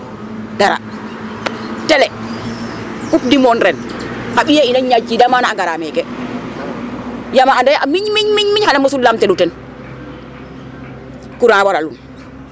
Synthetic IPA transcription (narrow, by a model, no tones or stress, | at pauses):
daɾa̰ | tɛlɛ | kup̚dimɔnɾɛn | haɓijainanɲad͡ʒidamanaaŋɡaɾamɛkɛ | jamaandajamiɲmiɲmiɲmiɲhanamosullamtɛɗutɛn | kuɾawaɾalun